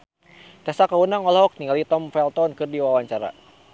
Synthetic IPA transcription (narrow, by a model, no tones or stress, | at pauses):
dasakaunaŋɔlɔɦɔk̚niŋɡalit̪ɔmfɛlt̪ɔnkɨrdiwawaɲt͡ʃaɾa̰